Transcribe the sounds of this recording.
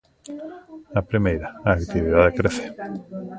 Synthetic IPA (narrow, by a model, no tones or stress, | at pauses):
ɐpɾimejɾaaːkt̪iβiðaðkɾeθe̥